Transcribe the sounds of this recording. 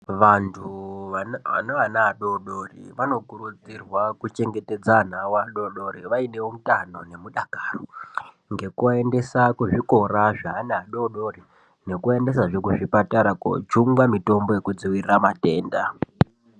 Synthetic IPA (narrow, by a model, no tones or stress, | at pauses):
ʋantʰuaa̰naʋanaːɗoɗorḭʋano̞kuɾud͡zirwakut͡ʃe̞ŋɡe̞te̞d͡zanawaɗo̞ɗo̞ɾiʋaine̞om̩tano̞ne̞muɗakaːro | ŋɡe̞koende̞sakuʐiko̞raʐaanaaɗo̞ɗo̞ri | ne̞kue̞nde̞saʐekuʐipataɾako̰t͡ʃuŋɡwamito̞mbo̞jekud͡ziwiramate̞ːnda